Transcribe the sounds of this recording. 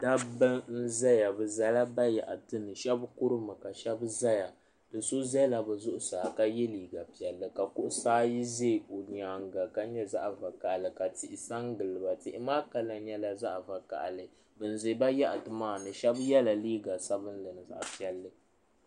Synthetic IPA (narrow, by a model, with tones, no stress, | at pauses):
da˦bɨ˦ŋn̩˦za˦ja˨bɨ˨za˦la˦ba˦ja˨ʔa˨tɨ˦nɨ˨ʃɛ˦bkʊ˦ɾɨ˦mɨ˨ka˨ʃɛ˦bza˦ja˨ | dɨ˨so˦zɛ˦la˨bɛ˨zʊ˦ʔʊ˦saː˨ka˦jɛ˦liː˨ɡa˨pi˨ɛ˨lːɨ˨ka˨kʊ˦ʔʊ˦saː˦ji˦ze˦˨o˨ɲ˨aː˨ŋɡa˨ka˦ɲɛ˦za˦ʔva˨ka˨ʔlɨ˨ka˨tɪ˨ʔɪ˨sa˦ŋɡɨ˨lːɨ˨ba˨tɪ˦ʔɪ˦maː˦ka˨la˨˦ɲɛ˦la˨za˦ʔva˨ka̰˨ʔlɨ˨ | bɨ˨n˨ze˨˦ba˦ja˦ʔa˨tɨ˨maː˦˨nɨ˨ʃɛ˦bjɛ˦la˨liː˦ɡa˨sa˦bɨ˦n˦lɨ˨nɨ˨za̰˨ʔpi˨ɛ˨lːɨ˦